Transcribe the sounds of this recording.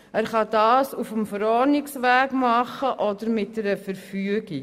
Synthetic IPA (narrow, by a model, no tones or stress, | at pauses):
ærχɑdɑːsufəmfəɾɑːniŋsværkmɑχəʔɑdərmɛtəɾəfərfyəki